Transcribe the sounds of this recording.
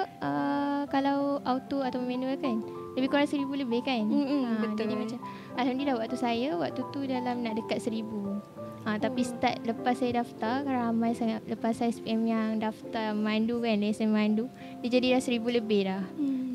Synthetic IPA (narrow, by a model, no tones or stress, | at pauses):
ʔəkalawawt̪oat̪awəmenukan | ləbɪhkoɾaŋsəɾibuləbɪhkanəd̪iimat͡ʃam | alhamdəilahwaʔt̪usajawaʔt̪ut̪udalamnaʔdəkat̪̚səɾibu | ʔat̪apisə̥t̪at̪̚ləpasːajadaft̪arkaɾaamãjsaŋat̪̚ləpasajaspiʔɛmjaŋdaft̪amandukanlasmandu | did͡ʒadilahsəɾibuləbɪhlah